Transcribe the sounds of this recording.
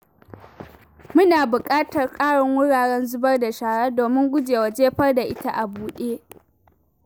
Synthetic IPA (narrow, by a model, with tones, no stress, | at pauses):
mʊ˦naː˨bʊ˨kʼaː˦tɐ˨rkʼaː˦ɽɔ˨ŋwʊ˦ɽaː˨ɽɛ˦nzʊ˦bɐ˦rda˨ʃaː˨ɽaː˦doː˨mɪ˦ŋɡʷʊ˦d͡ʒeː˨wa˨d͡ʒeː˦ɸɐ˦rda˨ʔɪ˦ta˦ʔa˨buː˨ɗeː˦